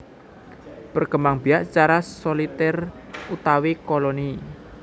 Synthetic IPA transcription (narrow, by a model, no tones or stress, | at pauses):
pərɡ̥əmaŋb̥i̤aʔt͡ʃaɾasolit̪ɛr | ut̪awikoloni